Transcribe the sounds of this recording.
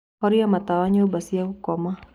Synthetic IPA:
hɔɾiamat̪awaɲaubasiaukɔma

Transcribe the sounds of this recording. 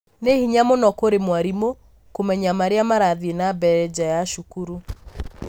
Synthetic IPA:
nehiɲamonɔkoɾemwaɾimo | komɛɲamaɾeamaɾaðenabɛɾɛd͡ʑajaʃukuɾu

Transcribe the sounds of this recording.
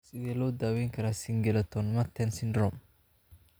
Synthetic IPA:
sɪðɛlɔːd̪aːwɛjŋkʰɐɾasɪŋɡɛlɛt̪ʰɔnmɐt̪ʰːɛnsɪndɾɔm

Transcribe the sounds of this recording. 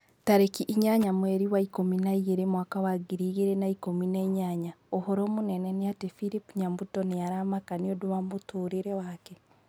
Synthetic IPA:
taɾekiʔːɲaɲamweɾiwaikominaiɣeɾemwakawaɡiɾiːɣiɾenaikominaiɲaɲaohoɾoːmunenenijatefiɾipuɲambutonijaɾamakanioduβamutuːɾiɾewake

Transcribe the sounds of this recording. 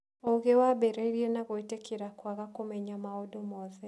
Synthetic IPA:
oɣewabɛɾɛɾienaɣoetekiɾakwaɣakomɛɲamaɔdomɔðɛ

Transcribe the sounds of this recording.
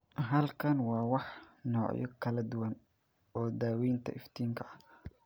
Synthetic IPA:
ɦɐlkʰɐnwɑːwɑħnɔːʕjɔ̰kʰɐlɐd̪ʊwɐn | ɔːd̪aːwɛjnt̪ʰɐ̰ʔɪft̪ʰiːŋkʰɐɐ

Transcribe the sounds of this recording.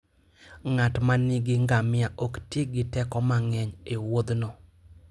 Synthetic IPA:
ŋatmaniɡɪŋɡamɪaʔoktjeɡɪtɛkɔmaŋɛɲewod̪nɔ

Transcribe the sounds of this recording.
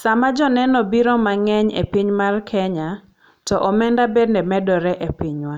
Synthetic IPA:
samad͡ʒɔnɛnɔbiɾɔmaŋɛɲḛpiɲmarkʰɛɲa | tɔʔɔmɛndabedndɛmɛdɔɾɛʔepiɲwa

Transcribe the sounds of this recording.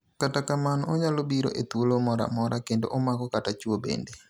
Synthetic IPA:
katakamanɔɲalobiɾo̰ʔet̪wolomɔɾa̰mɔɾakendoʔɔmaɡɔkatat͡ʃwobḛnde

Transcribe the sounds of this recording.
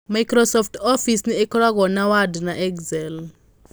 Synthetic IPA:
maikrɔsɔftʰofisniɛkɔlak̬ɔnawadnaʔɛkzɛl

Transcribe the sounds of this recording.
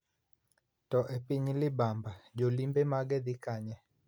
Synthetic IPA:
tɔʔɛpiɲilibambad͡ʒɔlimbɛmaɡɛdikaɲɛ

